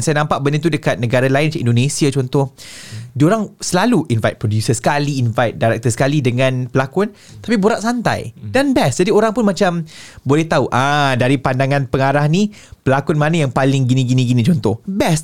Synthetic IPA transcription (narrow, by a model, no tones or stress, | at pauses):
nsajanãmpaʔ̚bənit̪udəkat̪̚nəɡaɾalainmt͡ʃaʔindonẽsiat͡ʃɔnt̪ɔhdioɾaŋsəlaluʔinvajt̪̚pɾodjusəsə̥kaliːnvajt̪̚daɾɛk̚t̪əsə̥kalidəŋãnpəlakʊn | t̪apiboɾaʔsant̪a̰jdanbɛsd͡ʒadioɾaŋpʊnmat͡ʃambolɛht̪auʔadaɾipandaŋãnpəŋaɾahnĩ | pəlakʊnmanajaŋpalɪŋɡinĩɡinĩɡinĩt͡ʃɔnt̪ɔhbɛs